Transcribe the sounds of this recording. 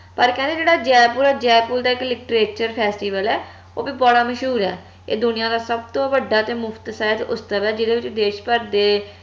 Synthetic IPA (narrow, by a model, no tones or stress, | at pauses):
pəɾkɛ̃nd̪eːd͡ʒeːɽaːd͡ʒɛːpuːɾaːd͡ʒɛːpuːld̪aːɪklɪkʈɾeːt͡ʃəɾpʰɛːsʈiːʋəlɛː | oːbiːbɔɽaːməʃɦuːɾɛː | ḛːd̪ʊnɪjãːd̪aːsəbt̪õːbəɖːaːt̪eːmʊpʰt̪sɛːət̪ʊst̪əʋɛːd͡ʒɪd̪eːʋɪt͡ʃd̪eːʃpəɾd̪eː